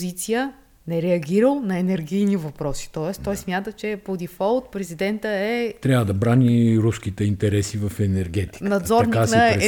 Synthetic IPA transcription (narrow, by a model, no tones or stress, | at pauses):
zit̪sijə | nɛɾɛɐɡʲiɾəlˠnɐɛnɛɾɡʲijnivɐpɾɔsi̥t̪ɔɛst̪ɔjsmʲjat̪ət͡ʃɛpod̪ifɔlˠt̪̚pɾɛzid̪ɛnt̪əɛt̪ɾʲavəd̪ɐbɾaniɾuskit̪ɛint̪ɛɾɛsivɐfɛnɛɾɡɛt̪i̥nɐd̪zɔɾɾnkias